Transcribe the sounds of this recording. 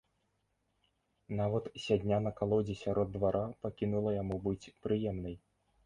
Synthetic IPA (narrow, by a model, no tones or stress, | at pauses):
navɐt̪sʲad̪ʲnʲanɐkalˠɔd͡zʲisʲaɾɔd̪ːvaɾʔapakʲinulˠɐjamubɨt͡sʲpɾɨjɛmnɐj